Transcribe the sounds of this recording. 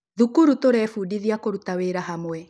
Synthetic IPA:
ðukuɾutoɾɛːfudiðiakoɾutaweɾaɦamwɛ

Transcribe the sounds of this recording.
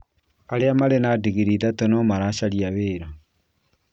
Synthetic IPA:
aɾeamaɾenadiɣiɾiðatɔnɔmaɾaɕaɾiaβeːɾa

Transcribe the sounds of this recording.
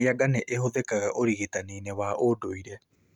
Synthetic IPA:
aɡaneʔehoðekaɣaʔoɾiɣetaneːnɛwaʔodoiɾɛ

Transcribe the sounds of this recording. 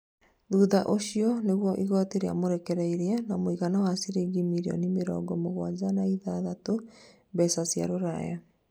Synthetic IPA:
ðuðaʔoɕiɔneɣwɔʔiɣɔːteɾea̰moɾɛkɛɾɛiɾeanamoiɣanawasiɾeɡimiɾiɔ̰nimeɾɔ̰ɡɔmoɣwad͡ʑanaiðaðato | bɛsasja̰ɾoɾa̰ja

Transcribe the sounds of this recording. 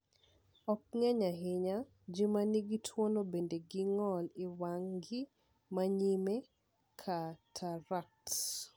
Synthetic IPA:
ɔk̚ŋɛɲaɦɪɲa | d͡ʒimaniɡitʰwonobendeɡiŋɔlɪwaŋɡiɪ | maɲime | kʰatʰaɾakts

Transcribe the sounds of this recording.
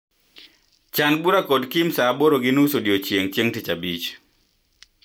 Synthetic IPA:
t͡ʃanbuɾakɔdkimsaːboɾoɡɪnusodjot͡ʃjeŋt͡ʃjeŋtit͡ʃabit͡ʃ

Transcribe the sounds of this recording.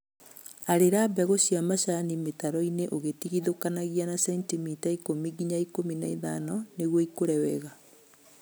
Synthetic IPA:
aɾeɾabɛɣoɕiamaʃanimetaɾɔineʔoɣetiɣiðokanaɣianasɛntimitaikomiɡiɲaikominaiðanɔneɣwɔikoɾɛwɛɣa

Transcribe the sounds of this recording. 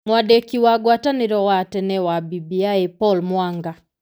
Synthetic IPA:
mwadekiwaɡwatanɪɾɔwatɛnɛwabibiaepɔlmwaŋɡa

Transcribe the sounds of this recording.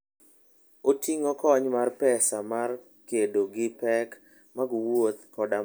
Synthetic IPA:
otiŋɔkɔɲmarpɛsamar | kedoɡɪpɛk | maɡwot̪kɔda

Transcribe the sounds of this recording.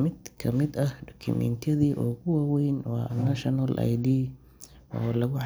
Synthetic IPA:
mɪd̪kʰɐmɪd̪ɐhɖɔkʰʊ̰mɛ̰nt̪ʰɐðiːʔɔːkʊwɑːwɛjnwɑ̰ːnɐʃɔnɐlʔa̰jd̪iː | ɔ̰ːlɐɣʊʕ

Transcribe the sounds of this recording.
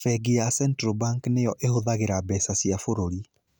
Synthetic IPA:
fɛɡiasɛntɾobaŋknejɔʔehoðaɣeɾabɛsasiafoɾoɾi

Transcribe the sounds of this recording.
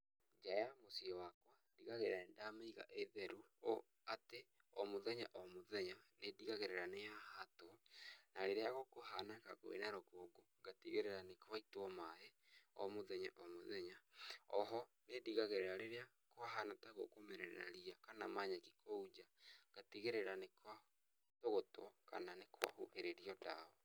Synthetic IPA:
d͡ʒajamosiɔwakwa | diɣaɣeɾaɛndaːmeiɣa̰ʔeðɛɾuo | ate | ɔmoðɛɲaʔɔmoðɛɲanediɣaɣeɾɛɾaneahatonaɾeɾeaɣokoɦanakako̰ḛnaɾokoɡoŋɡatiɣeɾɛɾanekwaitɔmaeɔ̰moðɛɲa̰ʔɔmoðɛɲaɔɦɔ | nediɣaɣeɾɛɾaɾeɾea | kwaɦanataɣo̰komɛɾɛɾɛ̰ɾa̰ɾiakanamaɲaki̥kʰoud͡ʒaɡ̥atiɣeɾeɾanekwa | toɣotwɔka̰nanekʰwa̰hoʔeɾeɾiɔdaɔ

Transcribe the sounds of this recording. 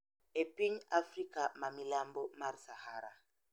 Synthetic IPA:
epiɲafrikamamilambɔmaɾisahaɾa̰

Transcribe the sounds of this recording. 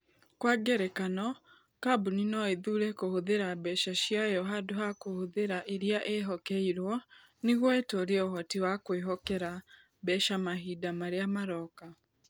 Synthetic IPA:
kwaɡɛɾɛkanɔ | kabuninɔeðuɾɛkohoðeɾabɛʃaʃiajɔɦadoɦakohoðeɾaʔeɾiaʔeɦɔkɛiɾwɔ | neɣwɔetoɾeɛoɦɔtiwakweɦɔkɛɾa | bɛʃamaɦidamaɾeamaɾɔka

